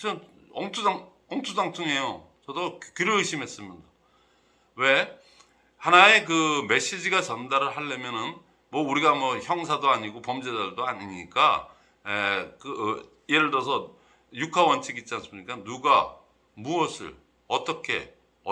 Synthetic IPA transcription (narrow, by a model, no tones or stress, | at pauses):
t͡ɕʰʌn | ʌŋtʰudaŋ | ʌŋtʰudaŋt͈ʰuŋe̞jo | t͡ɕʌdokiɾjoɯɕʰimɦe̞s͈ɯmjʌnda | we̞ | hanae̞k̬ɯme̞ɕ͈id͡ʑiɡat͡ɕʌndaɾɯɭɦaɭːemjʌnɯn | mʌuɾiɡamʌçjʌŋsʰadoaɲiɡopʌmd͡ʑedaɭdoaɲiɲik͈a | ekɯ | ieɾɯɭdʌsʰʌ | jukʰawʌnt͡ɕʰiɡit̚t͡ɕians͈ɯmɲik͈anuɡa | muʌsʰɯ̰ɭ | ʌt͈ʌkʰe̞̰ | ʌ